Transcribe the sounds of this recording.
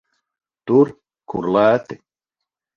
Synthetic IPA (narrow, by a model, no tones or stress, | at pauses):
t̪uɾ | kʰṵɾlaːt̪ɪ